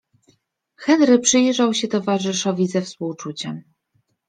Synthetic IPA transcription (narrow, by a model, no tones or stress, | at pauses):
xɛnɾɘpʂɘjʐawɕɛt̪ɔvaʐɘʂɔvʲizɛfspuwt͡ʂut͡ɕɛm